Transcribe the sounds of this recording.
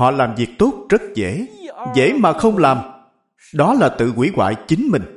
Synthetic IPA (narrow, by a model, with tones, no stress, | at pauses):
hɔ̰˧˨laː˨˩mvi˨˩ək̚t̪o˦˥t̚zə˦˥t̚zḛ˧˥zḛ˧˥maː˨˩xə˧wŋ͡mlaː˨˩m | ɗɔ˨˦laː˨˩t̪ɨ̰˧˨kwḭ˧˩˦ɣwa̰ː˧˨jt͡ɕï˨˦ŋmï˨˩ŋ̟